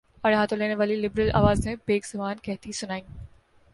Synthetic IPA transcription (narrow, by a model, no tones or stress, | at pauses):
ɐɽɦaːt̪õleːneʋaːlilɪbɾəlʔa̰ːʋaːzẽbeːkz̥ɐbaːnkɛɦt̪isʊnaːĩː